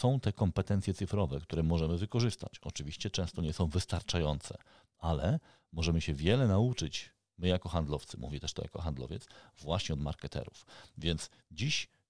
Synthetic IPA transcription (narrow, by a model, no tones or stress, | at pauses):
sɔ̃w̃t̪ɛkɔmpɛt̪ɛnt̪sjɛt̪sɘfɾɔvɛk̚t̪uɾɛmɔʐɛmɘvɘkɔʐɘst̪a̰t͡ɕɔt͡ʂɘvʲiɕt͡ɕɛt͡ʂɛ̃w̃st̪ɔɲɛsɔ̃w̃vɘst̪aɾt͡ʂajɔnt̪sɛ̰ | alɛ | mɔʐɛmɘɕɛvʲjɛlɛnaut͡ʂɘt͡ɕ | mɘjakɔxand̪lɔft̪sɘmṵvʲit̪ɛʂt̪ɔ̰ja̰kɔxand̪lɔ̰vʲjɛt̪svwaɕɲɛɔd̪ma̰ɾkɛt̪ɛ̰ɾufvʲjɛnt̪s | d͡ʑiɕ